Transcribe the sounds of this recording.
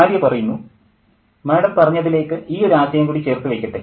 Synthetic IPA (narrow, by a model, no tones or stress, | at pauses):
ɾjɐpɐrɐjunːu | meːɽɐmpɐrɐɲːɐðile̞ːkːɨʔiːo̞ɾaːsjɐjɐmŋkuːɽit͡ɕe̞ːrt̪ːuʋejkʲːɐʈːe